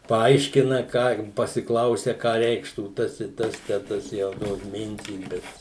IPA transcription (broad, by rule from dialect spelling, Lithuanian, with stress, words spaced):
pɐˈɐɪʃʲkʲɪnɐ kɑː pɐsʲɪˈklˠɐʊsʲɛ ˈkɑː ˈrʲɛɪkʃtuː ˈtɐs ɪ ˈtɐs tʲæː ˈtɐs ˈjɛʊ ˈtoːs ˈmʲɪnʲtʲiːs ˈbʲɛt